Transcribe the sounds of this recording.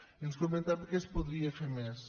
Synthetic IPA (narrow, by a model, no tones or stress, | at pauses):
inuskomẽnt̪aɾpɾkespoðɾiɐfeɾmes